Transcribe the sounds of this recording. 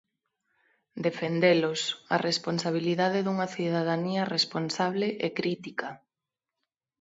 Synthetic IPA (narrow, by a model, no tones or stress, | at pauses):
d̪efend̪elosɐ̰responsaβ̞iliðað̞eðuŋɐθiðaðaniɐresponsaβ̞leʔekɾit̪ikɐ